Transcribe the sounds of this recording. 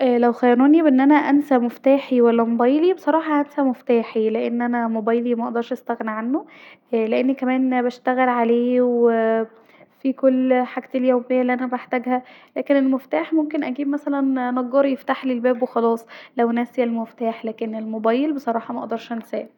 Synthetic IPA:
ʔlæwxæjæɾuːnibeʔenːʔænæʔænsæmoft̪aːħiwælːæmobæjlibesˤɑɾˤɑːħɑʔænsæmoft̪aːħileʔenːʔænæmobæːjlimæʔɑʔd̪ɑɾˤʃʔæst̪æɣniʕanːo | leʔenːikæmæːnbæʃt̪æɣelʕaleːwe | fikolːħaɡt̪eljæwbejːælːiʔænæbaħt̪æɡhælæːkenelmeft̪aːħmomkenʔæɡiːbmæsælænnɑɡːɑɾjeft̪aħlilbæːbwexɑlɑːsˤlæwnæseælmeft̪aːħlæːkenelmobæːjelbesˤɑɾˤɑːħɑmæʔɑ̰ʔd̪ɑɾˤʃʔænsæ̰ːl

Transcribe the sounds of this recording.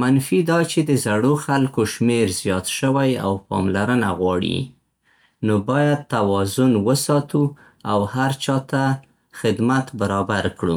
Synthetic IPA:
manfid̪ɑt͡ʃed̪əzaɽoxalkoʃmeɾzjɑt̪ʃəwaja̰wpɑ̰mlaɾənaɣwɑɽḭ | nobɑjad̪̚t̪awɑzʊnwəsɑt̪u | awhaɾt͡ʃɑt̪a | xɪd̪mat̪baɾɑbaɾkɽṵ

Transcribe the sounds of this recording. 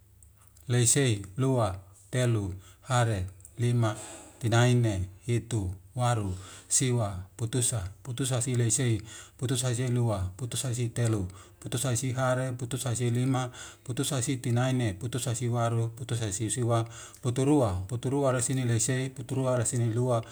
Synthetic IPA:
leiseiluat̪eluhaɾelimat̪inainehit̪uwaɾusiwaput̪usaput̪usasileiseiput̪usas̬eiluaput̪usas̬it̪eluput̪usaisiɦaɾeput̪usasilimaput̪usasit̪inaineput̪usasiwaɾuput̪usasisiwa | put̪uɾuaput̪uɾuaɾesinileiseiput̪uɾuaɾesinilua

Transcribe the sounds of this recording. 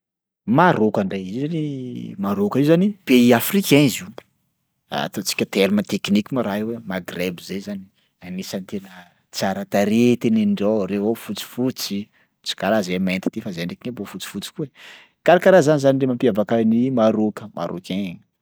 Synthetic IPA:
maɾokaɳɖ͡ʐajizzanimaɾokəiwzanib̥eiafrikɛ̃ziw | a̰t̪ot͡si̥kʲət̪eɾimat̪eknikʲimaɾaɦewemaɡrebizezani | anisənt̪enə | t͡saɾat̪aɾet̪eneɳɖ͡ʐoɾewafut͡si̥fut͡si | t͡si̥kaɾazemaent̪i̥t̪efazeɳɖ͡ʐekinebofut͡si̥fut͡si̥kue | kaɾakaɾazanizaniɖ͡ʐemampiavakənimaɾokəmʔa̰ɾʔo̰kẽ

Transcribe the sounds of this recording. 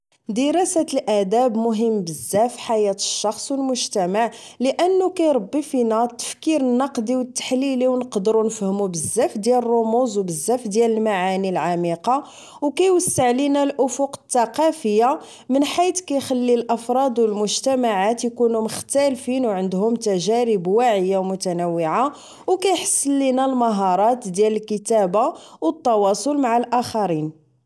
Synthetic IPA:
d̪əɾˤɑsæt̪əlʔæd̪æbmʊɦəmːbəzːæfħajæt̪ə̥ʃːɑxsˤwəlmʊʒt̪æmaʕləʔənːukæjɾˤɑbːifinæt̪ːə̥fkiɾənːɑqd̪iwət̪ːḁħliliwnəqd̪əɾunəfhəmubəzːæfd̪jælrˤːʊmuzwbəzːæfd̪jæləlmaʕanilʕamiqɑ | wkæjwəsːəʕlinælʔʊfʊqə̥t̪ːɑqɑfəjːa | mənħijt̪kæjxalːilʔɑfɾˤɑd̪wəlmʊʒt̪æmaʕat̪jkunuməxt̪ælfinwʕənd̪hʊmt̪æʒæɾəbwaʕəjːawmʊt̪ænəwːiʕa | wkæjħə̥sːəlːinælmɑɦɑɾˤɑt̪d̪jæləlkət̪æbawət̪ːɑwɑsˤolmaʕalʔæxɑɾin

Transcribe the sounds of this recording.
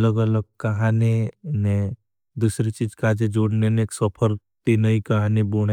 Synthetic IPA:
ləɡɐləɡ̚kɐɦaːnene | d̪uːsɾit͡ʃiːd͡ʒkaːd͡ʒed͡ʒoːɽneneːksɔpʰəɾ | t̪inɐikɐɦanebuɽ̃e

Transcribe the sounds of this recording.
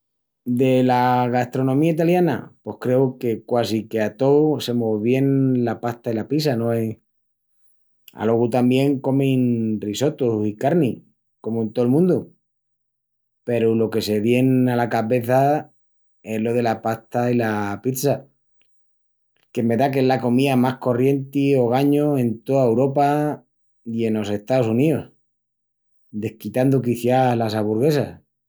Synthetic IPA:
d̪e̞laɣast̪ɾo̞nõmiait̪̬aljana̰pwo̞hkɾe̞uke̞kwasikeat̪o̞se̞moβje̞nlapaht̪ailapisano̞e | a̰lo̞ɣut̪ambje̞ŋko̞mĩnriso̞t̪uikaɾni | ko̞mũnt̪olmũnd̪u | pe̞ɾulo̞ke̞se̞βje̞nalakaβe̞θa | e̞ɦlo̞ðe̞lapaht̪ailapit̪sa | ke̞me̞ðak̬ezlako̞miðamahko̞rje̞nt̪io̞ɣ̞aɲoe̞nt̪o̞ðaewɾo̞pa | ie̞no̞se̞ht̪aosunios | d̪e̞hkit̪and̪uk̬iθjalasaβuɾɣe̞sa̰s

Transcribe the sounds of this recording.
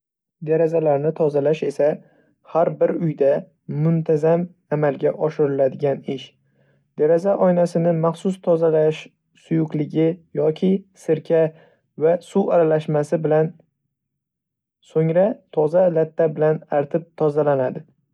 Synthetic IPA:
d̪aɾazalaɾnɪt̪ʰɒzalaʃe̞sa | haɾbɪɾʊjd̪aː | ʊnt̪ʰazam | amalɡʲaʔɒʃɪɾɪlad̪ɪɡʲanɪʃ | d̪aɾazaʔɒjnasɪnɪmaχsʊst̪ʰɒzalaʃ | sʊjʊqlɪɡʲɪjɒkʲʰɪsɪɾkʲʰa | vasuaɾalaʃmasɪbɪlan | soŋɾat̪ʰɒzalat̪ʰːabɪlanaɾt̪ʰɪp̚t̪ʰɒzalanad̪ɪ

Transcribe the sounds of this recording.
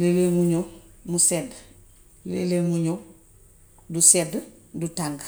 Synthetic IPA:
lelemuɲomused | lḛlemuɲo | dused | dutaŋɡ

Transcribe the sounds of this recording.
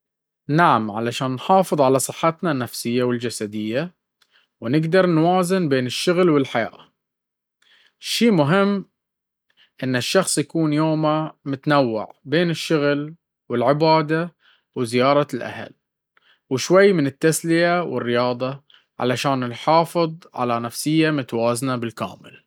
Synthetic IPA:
naʕamʕalaʃaːnːħɑːfɨðˤʕalasˤɨ̥ħːat̪nanːafsɪjːawɪld͡ʒasad̪ɪjːa | wnɪɡd̪ɑɾˤnwaːzɪnbeːnɪʃːʊɣlwɪlħaja̰ːʔa | ʃiːmʊɦɪmː | ʔɪnːɪʃːɑxsˤjakuːnjoːmamʊt̪anawːɪ̰ʕbeːnɪʃːʊɣl | wɪlʕɪbaːd̪a | wɪzɪjɑːɾˤɑlʔa̰ha̰l | wɪʃwajːmɪnɪt̪ːaslɪjawɪ̰rːɪjɑːd̪ˤɑ | ʕa̰laʃaːnɪlħɑːfɨðˤʕa̰lanafsɪjːamʊt̪awaːznabɪlka̰ːmɪ̰l

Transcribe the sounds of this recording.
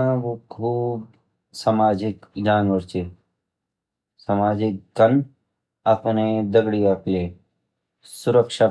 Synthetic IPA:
ãʋokʰuːb | samaːd͡ʒɪkd͡ʒaːnʋəɾt͡ʃe | sɐmaːd͡ʒɪkɡɐn | ɐpned̪ɐɡɽijakleː | sʊɾəkʃa

